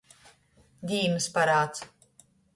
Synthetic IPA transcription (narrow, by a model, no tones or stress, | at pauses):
d̪ʲiːmɨspaɾaːt̪s